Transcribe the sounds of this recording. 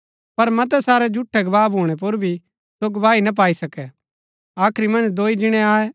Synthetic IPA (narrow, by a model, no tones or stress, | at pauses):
pɐɾmɐt̪̬ɛsaːɾɛd͡ʒʊʈʰːɛɡɐʋaːbʱoːɽ̃ɛp̬oɾbʱi | soɡɐʋaːinɐp̬aːisɐkɛ | aːkʰɾimɐ̃nd͡ʒd̪oːid͡ʒɪɽ̃ɛ̃aːɛ